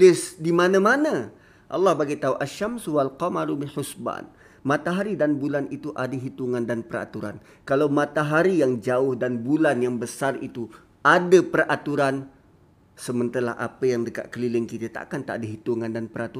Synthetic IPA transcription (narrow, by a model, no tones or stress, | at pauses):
lɪsdimanãmana | ʔɑ̰lːɑhbaɡajt̪auʔaʃːamswalqɔmaɾubiħusma̰n | mãt̪aɦaɾidanbulanit̪uʔadaɦit̪uŋãndanpəɾa̰t̪uɾa̰n | kalawmãt̪aɦaɾijaŋd͡ʒaʊhdanbulanjaŋbəsarit̪u | adapərat̪uɾan | səmənt̪ala̰ha̰pəjaŋdəka̰ʔ̪̚kəlilɪŋkit̪ət̪a̰ʔkant̪a̰ʔdaɦit̪uŋandanpəɾat̪uɾa